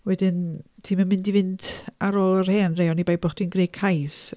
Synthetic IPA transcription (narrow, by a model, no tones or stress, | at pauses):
wɛdɪntʰiːmamɪndivɪndaɾoːlˠərhɛːnrejɔnibajbɔχd̥inɡreːkʰajs